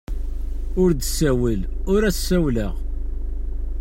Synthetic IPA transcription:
ʊɾd̪sæwəl | ʊɾæsːæwləʁ

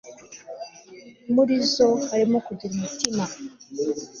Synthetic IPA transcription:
muɾizoaɾimokuɟiɾumutima

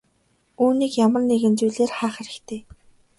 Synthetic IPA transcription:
uːniːkjamə̆rneɣɘ̆nt͡sujɮeːrχæːχeɾɘ̆kt̪ʰeː

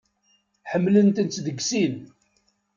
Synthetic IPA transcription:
ħəmːlənt̪ənt͡s̪d̪əɡsin

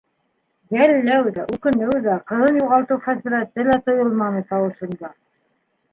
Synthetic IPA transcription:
jælːæwðæʔʉkɘ̆nɘwðæqɤ̆ðɤnjuʁɑlˠt̪ɤwfæzɘ̆ɾæt̪ɘlæt̪ŏjɤlˠmɑnɤt̪ɑwɤ̆ʃɤ̆nd̪ɑ

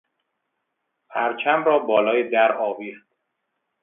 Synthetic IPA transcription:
pʰæɾt͡ʃʰæmɾɒːbɒːlɒːjed̪æɾɒːviːɾd̪̥

